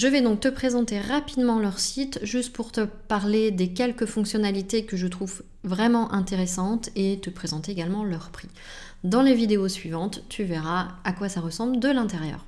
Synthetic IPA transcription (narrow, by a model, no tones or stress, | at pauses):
ʒəvɛd̪ɔ̃k̚t̪əpχezɑ̃t̪eʁapid̪mɑ̃lœʁsit̪ʒyst̪̚puʁt̪əpaʁled̪ekʲɛlkəfɔ̃ksjɔnalit̪ekəʒət̪χuv | vʁɛmɑ̃ʔɛ̃t̪eʁesɑ̃t̪et̪əpχezɑ̃t̪eeɡalmɑ̃lœʁpχi | d̪ɑ̃levid̪eosɥivɑ̃t̪ːyvɛʁaakwasaʁəsɑ̃bld̪əlɛ̃t̪eʁjœ̰ːʁ